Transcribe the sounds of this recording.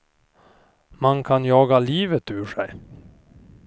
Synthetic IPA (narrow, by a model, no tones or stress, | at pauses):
mankʰanjɑːɡaliːvət̪ʉːʂɛj